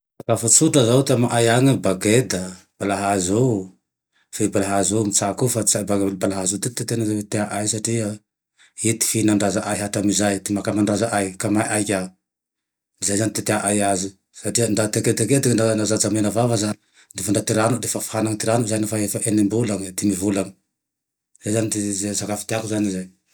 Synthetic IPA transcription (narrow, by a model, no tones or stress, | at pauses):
akafut͡suʈ͡ʂazawt̪eamaʔajaŋibaɡed̪ə | b̥alaɦazo | febalaɦazomit͡sakufat͡sabaɡbalaɦazot̪et̪et̪enawet̪eaʔajsaʈ͡ʂia | it̪i̥finaɳɖ͡ʐazaʔajɦaʈ͡ʂamizajt̪imakamaɳɖ͡ʐazaʔajkamajʔajkʲa | izajzanit̪et̪eaʔajazi | saʈ͡ʂiaɳɖ͡ʐat̪aket̪aket̪ikaɳanazat͡samenavavazani | d̪efaɳɖ͡ʐat̪iɾanud̪efafhanaŋit̪iɾanuzajnafaefaʔenimbulaŋd̪imivulaŋi̥ | zajzanit̪izesakafi̥t̪eakuzanizaj